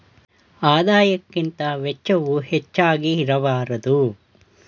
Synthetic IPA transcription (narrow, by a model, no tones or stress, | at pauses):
aːd̪aːjɐkːint̪ɐʋet͡ʃːɐʋuhet͡ʃːaːɡiːɾɐʋaːɾɐd̪u